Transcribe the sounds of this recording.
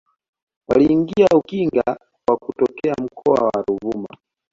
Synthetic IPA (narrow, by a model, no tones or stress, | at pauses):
waliːŋɡiaukiŋɡa | kwakutɔkɛam̩kʰɔa̰waɾuvuma̰